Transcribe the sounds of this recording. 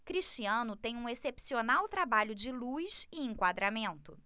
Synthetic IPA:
kɾiʃt͡ʃiɐ̃nʊt̪ẽj̃ũesepsionawt̪ɾabaʎʊd͡ʒɪlujsɪẽŋkwad̪ɾamẽnt̪ʊ̰

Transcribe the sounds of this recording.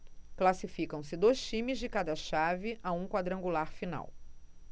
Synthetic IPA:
klasifikɐ̃w̃sɪd̪ojst͡ʃĩmɪzd͡ʒɪkad̪ɐʃavɪʔaũkwad̪ɾɐ̃ŋɡulaɾfina̰w

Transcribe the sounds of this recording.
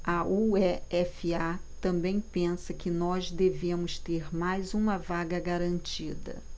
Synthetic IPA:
ɐuɛɛfiat̪ɐ̃mbẽj̃pẽsɐkɪnɔzd̪eveɐmʊst̪eɾmajzũmɐvaɡɐɡaɾɐ̃nt͡ʃid̪ɐ̰

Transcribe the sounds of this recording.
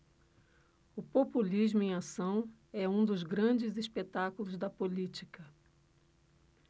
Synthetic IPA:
ʊpopulizmʊẽj̃asɐ̃w̃ | ɛũd̪ʊzɡɾɐ̃d͡ʒɪzispet̪akulʊzd̪ɐpolit͡ʃikɐ

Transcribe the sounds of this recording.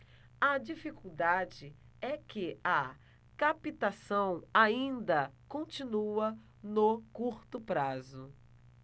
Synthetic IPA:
ɐd͡ʒifikuwd̪ad͡ʒɪ | ɛkɪɐ | kapit̪asɐ̃w̃aĩnd̪ɐkõnt͡ʃĩnuɐ | nokuɾt̪ʊpɾazʊ

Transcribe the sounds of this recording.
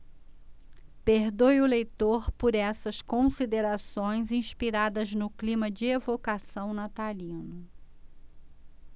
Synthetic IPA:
peɾd̪ojʊlejt̪oɾpʊɾɛsɐskõsid̪eɾasõj̃zĩʃpiɾad̪ɐznʊklĩmɐd͡ʒɪevokasɐ̃w̃nat̪alĩnʊ

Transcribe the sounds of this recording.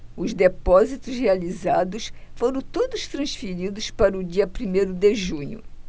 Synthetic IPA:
ʊzd̪epɔzit̪ʊshealizad̪ʊsfoɾɐ̃w̃t̪od̪ʊst̪ɾɐ̃sfiɾid̪ʊspaɾɐʊd͡ʒiɐpɾimejɾʊd̪eʒũɲʊ̰

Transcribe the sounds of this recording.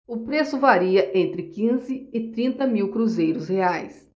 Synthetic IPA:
ʊpɾesʊvaɾiɐʔẽnt̪ɾɪkĩzɪɪt̪ɾĩnt̪ɐmiwkɾuzejɾʊsheajs

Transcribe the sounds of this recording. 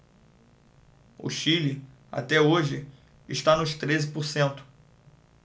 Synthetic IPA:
ʊ̰ʃilɪ | a̰t̪ɛoʒɪ | ɪʃt̪anʊʃt̪ɾezɪpoɾsẽnt̪ʊ̥

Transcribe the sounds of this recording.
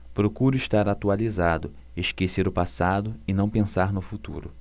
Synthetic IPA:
pɾokuɾʊɪʃt̪aɾat̪ualizad̪ʊ | eʃkeseɾʊpasad̪ʊɪnɐ̃w̃pẽsaɾnʊfut̪ṵɾʊ̰

